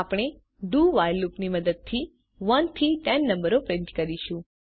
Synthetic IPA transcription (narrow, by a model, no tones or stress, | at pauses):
apɽ̃e | ɖuʋajlupniməd̪əd̪̚t̪ʰi | ʋənt̪ʰiʈɛnːə̃mbəɾopɾɪ̃nt̪kəɾiʃũ